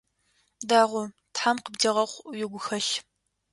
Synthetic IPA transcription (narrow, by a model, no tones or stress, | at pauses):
daːʁʷʊ | tħamqəbdiʁɐχʷjɪɡʷʊxɐɬ